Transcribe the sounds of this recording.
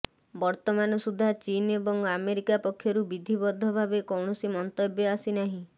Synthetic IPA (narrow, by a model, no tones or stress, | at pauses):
bɔɾt̪ɔmanɔsud̪ʱːat͡ʃinebɔŋameɾikapɔkʰːjɔɾubid̪ʱibɔd̪ʱːɔbʱabekɔwɳɔsimɔnt̪ɔbjɔasinaɦĩ